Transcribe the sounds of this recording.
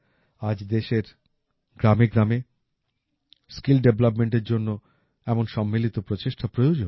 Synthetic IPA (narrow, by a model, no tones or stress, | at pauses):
ad͡ʑd̪eʃeɾ | ɡɾameɡɾame | skilɖeblapmeɳʈeɾd͡ʑonːo | ɛmonʃɔmːilit̪opɾot͡ɕeʃʈʰapɾojod͡ʑon